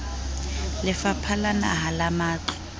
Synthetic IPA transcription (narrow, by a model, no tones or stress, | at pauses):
lɪfapʰalana̰ɦalamaːǃɔ̥